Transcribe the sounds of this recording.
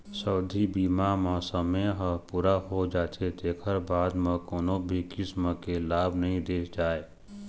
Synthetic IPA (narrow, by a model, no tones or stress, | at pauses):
səʊd̪ʱibiːmamə̃səmeɦəpuːɾaɦod͡ʒaːt̪ʰet̪eːkʰəɾbaːd̪mə̃koːnobʱikɪsməkelaːbʱnəɦĩd̪eːkd͡ʒaːe